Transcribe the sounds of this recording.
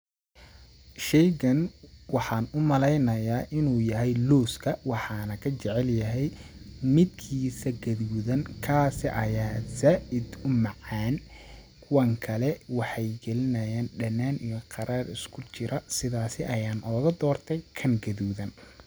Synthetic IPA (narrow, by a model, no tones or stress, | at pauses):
ʃɛjɣɐnwɑħɑːnʊmɐlɛjnɐjaːʔɪnuːjɐɦɛjluːskʰɐwɑħɑːnɐkʰɐt͡ʃɛʕɛljɐɦɛj | mɪd̪kʰiːsɐɡɐðuːðɐnkʰaːsɪʔɐjaːzaːʔɪd̪ʊmɑʕɑːn | kʰʊwɐŋkʰɐlɛwɑħɑjɡɛlɪnɐjaːnɖɐnːaːnijɔqɑɾaːrɪskʰʊt͡ʃɪɾɐsɪðaːsɪʔɐjaːnʔɔːɣɐd̪ɔːrt̪ʰɛjkʰɐŋɡɐðuːðɐn